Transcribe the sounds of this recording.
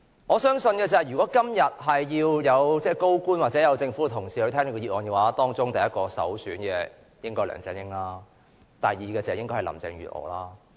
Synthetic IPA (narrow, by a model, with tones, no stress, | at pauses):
ŋɔː˨˧sœː˥ŋsɵ˧nkɛː˧t͡sɐ˨ɐ˨jy˨kɔː˨˥kɐ˥mjɐ˨t̚ɦɐ˨jːiː˧wjɐ˨˧wt͡sɛː˥ko˥wkuː˥nwaː˨t̚t͡sɛ˨˦˥jɐ˨˧wt͡sɪ˧ŋfuː˨˥˧t̪ʰʊ˨˩ŋsiː˨hɵ˧t̪ʰɛː˥ŋn˨˧kɔ˧ji˧˩ʔɔː˨˧nkɛ˧waː˨˦˥t̪ɔː˥ŋt͡sʊ˥ŋt̪ɐ˨jɐ˥t̚kɔː˧sɐ̰˨˥wsyː˨˥nkɛ˧ | jɪ˥ŋkɔː˥jlœ̰ː˨˩ŋt͡sɛ̰˨˥njɪ˥ŋlaː˥ | t̪ɐ˨jːiː˨kɛː˧t͡sɛː˨˧˥jɪ˥ŋkɔ˥hɐ˨˩lɐ̰˨˩mt͡sɪ̰˨˧ŋɥy̰ː˨t̚ʔɔ̰ː˨˩laː˥